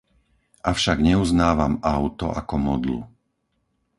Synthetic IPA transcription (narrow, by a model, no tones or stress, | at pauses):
ʔafʃaɡɲɛuznaːʋamaʊt̪ɔ̰ʔakɔmɔd̪lṵ